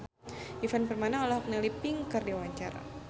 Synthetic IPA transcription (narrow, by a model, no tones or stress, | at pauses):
ʔifanpərmanaɔlɔhɔk̚nalipiŋkɨrdiwaɲt͡ʃaɾa̰